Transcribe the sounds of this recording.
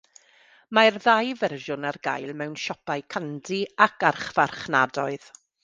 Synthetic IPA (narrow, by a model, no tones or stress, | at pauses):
marðajvɛrʒʊnarɡa̰jlˠmɛwnʃɔpaɨkʰandiakʰarχv̥arχnadɔɨð̥